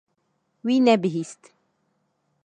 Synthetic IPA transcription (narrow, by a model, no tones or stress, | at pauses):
winæbɦist̪